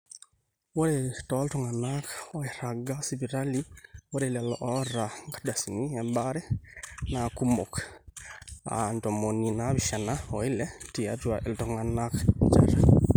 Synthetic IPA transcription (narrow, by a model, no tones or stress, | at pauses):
woɾetɔltɔŋanakɔiɾaɡasiβiɾaliwoɾelalɔʔɔɾaŋɡḁdasiniɛmbaɾɛnakumok | a̰ntɔmoninaβiʃanaɔilɛtiatwaʔeltɔŋanakt͡ʃa̰ɾa